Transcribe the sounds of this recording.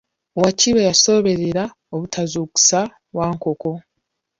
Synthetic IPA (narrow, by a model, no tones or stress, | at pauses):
waciβejaso̞βe̞ɾeɾa | oβutʰazuːku̥sa | βwaːŋko̞ko̞